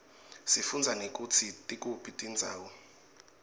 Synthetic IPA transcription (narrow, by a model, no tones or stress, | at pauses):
sifund͡zʱanek̬ʼut͡sʰitʼik̬ʼupʰitʼind͡zʱa̰ːwɔ